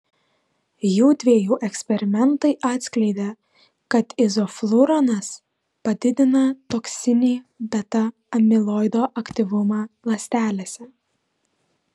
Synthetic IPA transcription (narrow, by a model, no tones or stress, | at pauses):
juːd̪ʲʋʲeːjuːʔɛksʲpʲɛɾʲɪmʲɛnt̪ɐɪʔɑːt̪ʲsʲklʲɛɪd̪ʲe | kɐt̪ɪzɔflˠʊɾɐnɐs | pɐd̪ʲɪd̪ʲɪnɐt̪oksʲɪnʲiːb̪ʲɛt̪ɐ | ɐmʲɪlˠɔːɪd̪oːʔɐkʲt̪ʲiʋʊmɑːlˠɐsʲt̪ʲæːlʲeːsʲɛ